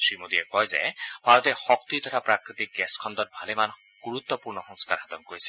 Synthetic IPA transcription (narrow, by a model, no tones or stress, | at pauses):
simod̪iekɔjzḛbʱaɾɔt̪exɔkt̪it̪ʰɔɾapɾakɾit̪ik̚ɡɛskʰɔnd̪ɔɾbʱaleman | ɡ̥uɾut̪ːɔpuɾnɔxɔŋskaɾɦat̪ɔnkoɾisʰi̥